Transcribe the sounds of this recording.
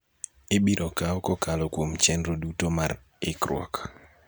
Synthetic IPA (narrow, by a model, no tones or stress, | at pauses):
ɪbiɾʔɔkaɔkɔkalɔkwomt͡ʃɛnɾodutomaɾ | ɪkɾwɔ̰k